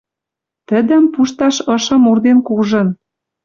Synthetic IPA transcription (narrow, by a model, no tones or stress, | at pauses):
t̪ə̆d̪ə̆mpuʃt̪ɑʃɤ̆ʃɤ̆murd̪enkuʒɤ̆n